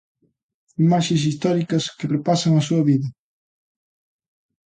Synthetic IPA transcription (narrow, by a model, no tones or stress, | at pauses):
imaʃẽs̬ist̪ɔɾikɐskepɾepasɐŋɐs̬uɐβiðɐ